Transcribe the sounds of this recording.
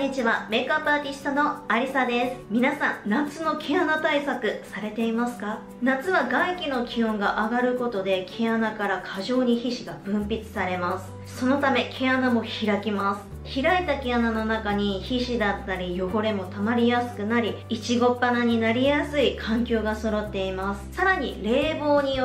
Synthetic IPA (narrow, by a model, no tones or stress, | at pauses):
ɲit͡ɕiβame̞kapaːt̪ʲisi̥t̪ano̞aɾʲisad̪e̞sɨ̥mʲinasãnnat͡sɨno̞kʰe̞anat̪aisakɯ̟saɾe̞t̪e̞imasɨ̥ka | nat͡sɨβaɡaikʲino̞kʲiõ̞ŋɡaʔaɡaɾɯ̟ko̞t̪o̞d̪e̞kʰeanakaɾakʰaʑo̞ːɲ̟içiɕiɡab̥ɯ̟̃mpʲit͡sɨ̥saɾe̞masɨ̥ | so̞no̞t̪ame̞kʰe̞anamo̞çiɾakʲimasɨ̥ | çiɾait̪ake̞anano̞nakaɲ̟içiɕid̪at̪ːaɾʲijo̞ho̞ɾe̞mo̞t̪amaɾʲijasɨ̥kɯ̟naɾʲiit͡ɕiɡo̞pːanaɲ̟inaɾʲijasɨikʰãŋkʲo̞ːɡaso̞ɾo̞t̪ːe̞imasɨ̥saɾaɲ̟ḭɾe̞ːbo̞ːɲ̟i